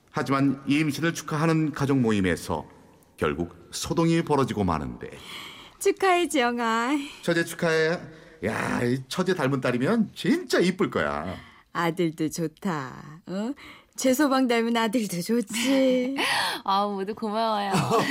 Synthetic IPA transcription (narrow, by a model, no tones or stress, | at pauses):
had͡ʑimanimɕʰinɯɭt͡ɕʰu̥kʰaɦanɯnkad͡ʑʌŋmoime̞̰sʰʌ̰ | kjʌ̰ɭɡuk̚sʰodoŋipʌɾʌd͡ʑiɡoma̰nɯ̰nde̞̰t͡ɕʰukʰaet͡ɕijʌŋat͡ɕʰʌd͡ʑet͡ɕʰu̥kʰaeja̰it͡ɕʰʌd͡ʑe̞taɭmunt͈aɾimjʌnt͡ɕint͡ɕ͈aip͈ɯɭk͈ʌ̰ja̰ | adɯɭdot͡ɕotʰaʌ | t͡ɕesʰobaŋdaɭmɯnadɯɭdot͡ɕot͡ɕʰi | amʌdukomawajo